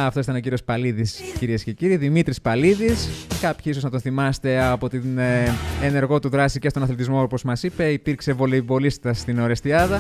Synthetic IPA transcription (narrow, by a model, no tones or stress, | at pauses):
ɐft̪osit̪ɐneoc̬iɾio̞spɐliðisciɾiesce̞ciɾiːðimit̪ɾispɐliðiskɐpçiso̞znɐt̪o̞nθimɐst̪e̞ɐpo̞t̪inene̞ɾɣo̞t̪uðɾɐsicest̪onɐθlet̪izmo̞opo̞zmɐsipe̞ipiɾkse̞vo̞leivo̞lisi̥t̪ɐst̪ino̞ɾest̪iɐðɐ